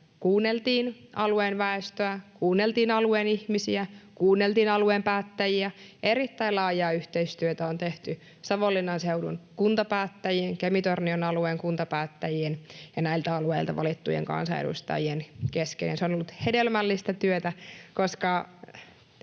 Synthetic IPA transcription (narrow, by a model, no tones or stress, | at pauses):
kuːnːelt̪iːnʔɑlueːnʋæest̪øækuːnːelt̪iːnɑlueːnihmisiækuːnːelt̪iːnɑlueːmpæːt̪ːæjiæʔerit̪ːæilɑːjɑːyht̪eist̪yøt̪æont̪eht̪y | sɑʋolːinɑnseudṵnkunt̪ɑpæːt̪ːæjieŋkemit̪ornionɑlueːŋkunt̪ɑpæːt̪ːæjienjɑnæilt̪æɑlueilt̪ɑ̰ʋɑ̰lit̪ːṵjḛŋkɑ̰nsɑ̰ḛdṵst̪ɑ̰jienkeskḛnjɑnseonolːut̪hedelmælːist̪æt̪yøt̪ækoskɑ